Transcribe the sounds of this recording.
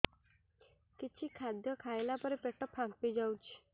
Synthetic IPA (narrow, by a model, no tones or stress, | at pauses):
kit͡ʃʰikʰad̪jɔkʰajlapɔɾipeʈɔpʰaŋpid͡ʒawt͡ʃʰi̥